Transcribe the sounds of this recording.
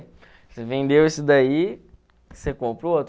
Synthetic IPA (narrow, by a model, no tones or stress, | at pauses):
sevẽnd̪ewisʊd̪ai | sekõpɾʊot̪